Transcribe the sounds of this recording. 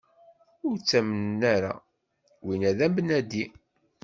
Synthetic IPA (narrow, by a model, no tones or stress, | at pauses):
ʊɾt͡sːæmənnːæɾa̰ | winæðæmbənæd̪i